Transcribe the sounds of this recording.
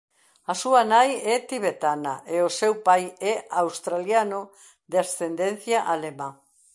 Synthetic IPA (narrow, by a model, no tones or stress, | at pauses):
asuanajɛt̪iβet̪anaʔeosewpajɛawst̪ɾaljano | d̪asθend̪en̟θjaʔalemã